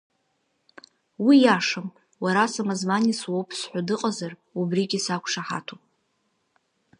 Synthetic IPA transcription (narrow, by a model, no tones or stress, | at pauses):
wijaʂam | waɾasamazmaniswowpʰsħʷadɨqʼazarubriɡʲisakʷʰʂaħa̰tʰopʼ